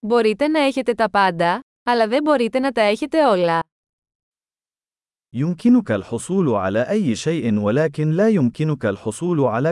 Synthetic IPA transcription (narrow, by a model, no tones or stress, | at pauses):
bo̞ɾit̪e̞nɐe̞çe̞t̪e̞t̪ɐpɐnd̪ɐ | ɐlɐðe̞mbo̞ɾit̪e̞nɐt̪ɐe̞çe̞t̪e̞o̞lɐ | jʊmkɪnʊkalħʊsˤuːlʕa̰laːʔajːɪʃejʔɪnwalaːkɪnlaːjʊmkɪnʊkalħʊsˤuːlʕalaː